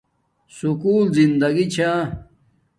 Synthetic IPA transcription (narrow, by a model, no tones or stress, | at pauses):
sukuːlzind̪ɐɡit͡ɕʰa